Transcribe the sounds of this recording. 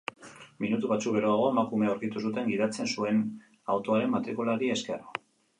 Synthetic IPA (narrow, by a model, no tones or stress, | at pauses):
minut̪uβat͡sukβe̞ɾoaɣ̞o̞emakume̞aowɾkit̪us̬ut̪e̞ŋɡiðat͡se̞nsue̞n | awt̪o̞aɾe̞mːat̪ɾikulaɾieske̞ro